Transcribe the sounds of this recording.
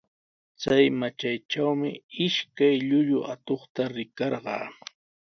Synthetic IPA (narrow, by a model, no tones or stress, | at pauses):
t͡sajmat͡ʃajʈ͡ʂawmɪɪʃkajʎʊʎʊʔat̪oχt̪aɾɪkɑɾɢɑ̰ː